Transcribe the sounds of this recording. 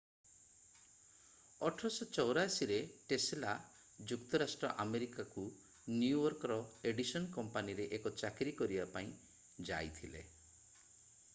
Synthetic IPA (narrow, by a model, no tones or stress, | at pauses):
ɔʈʰɔsɔt͡ʃɔwɾasiɾeʈesla | d͡ʒukt̪ɔɾasʈɾɔʔameɾikaku | njuɔɾkɾɔeɖisɔnkɔmpaniɾeʔekɔt͡ʃakɾikɔɾibapaĩ | d͡ʒa̰jt̪ʰile